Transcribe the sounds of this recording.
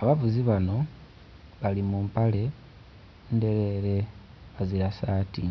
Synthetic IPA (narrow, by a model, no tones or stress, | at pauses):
aβavuziβano̞ | βalimuːmpale̞ | nde̞ɾe̞ːɾe̞ | βaziɾasaːti